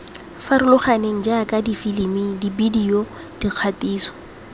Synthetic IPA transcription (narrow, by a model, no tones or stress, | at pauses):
faɾʊlʊχaneŋ̩d͡ʒakʼadifilimidibidio | d̥iq͡χʰatʼiːsɔ̥